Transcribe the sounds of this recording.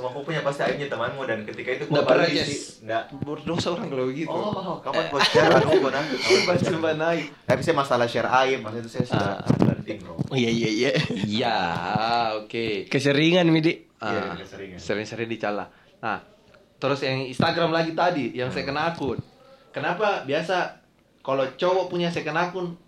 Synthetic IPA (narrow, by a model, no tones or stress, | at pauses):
səmakupuɲapast̪iaipɲat̪əmanmudankət̪ikait̪ukdapərat͡ʃɛ | dabərdosaoɾaŋkəlobəɡit̪ukamat̪bad͡ʒaladkanakʊpat͡ʃəmbanait̪apisajamasalaʃɛɾaɪrpasit̪usajasaa̰ba̰nt̪iŋloijaijaijaija | okekəsəɾiŋanmidi | ə̰ɾiŋsəɾiŋnsəɾiŋandit͡ʃala̰ | na̰h | t̪əɾʊsjaŋinst̪aɡɾamlaɡit̪adijaŋsajakənakʊn | kənapabiasa | kalot͡ʃowapuɲasajakənakʊn